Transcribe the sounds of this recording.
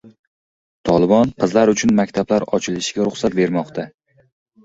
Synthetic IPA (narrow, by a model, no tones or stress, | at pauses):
t̪ʰɒlˠɪbɒnqʰɨzlaɾʊt͡ʃʰʊnmakʲt̪ʰablaɾɒt͡ʃʰɪlɪʃɪɡʲaɾʊχsat̪̚be̞ɾmɒqt̪ʰa